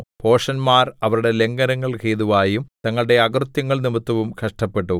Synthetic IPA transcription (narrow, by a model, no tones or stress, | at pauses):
po̞ːʂɐnmaːrɐʋɐɾuɽe̞le̞ŋɡɐnɐŋːɐɭkeːðuʋaːjumt̪ɐŋːɐɭɽe̞ɐɡrut̪jɐŋːɐɭnimɐt̪ːɐʋumkʰɐʂʈɐpːe̞ʈːu